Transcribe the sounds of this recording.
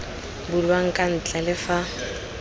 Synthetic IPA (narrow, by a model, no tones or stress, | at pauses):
bʊlwaŋ̩kʼan̩t͡ɬʼalɪfa